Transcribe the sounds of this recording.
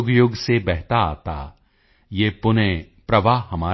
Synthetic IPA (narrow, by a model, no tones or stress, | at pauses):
ʊɡjʊɡsebɛɦt̪aa̰ːt̪a̰ː | jeːpʊnẽ | pɾɐʋaːhɐmaː